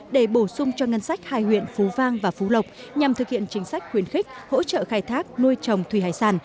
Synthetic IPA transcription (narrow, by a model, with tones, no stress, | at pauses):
ɗe˧˩ɓo˧˩sʊ˧ŋ͡mt͡ɕɔ˧ŋə˧nsa˦˥jk̚ha̰ː˧˨jhwḭ˧˨ənfu˨˦vaː˧ŋvaː˨˩fu˨˦lə˨˩wk͡p̚ɲa˨˩mt̪ɨ˨˩k̚hḭ˧˨ənt͡ɕï˨˦ŋ̟sa˦˥jk̟̚xwi˨˦ənxi˦˥k̟̚ho̰˧˥t͡ɕə̰ː˧˨xaː˧jt̪ʰaː˦˥k̚nu˧əjt͡ɕə˨˩wŋ͡mt̪ʰwi˨˧˩ha̰ː˧˨jsaː˧˩n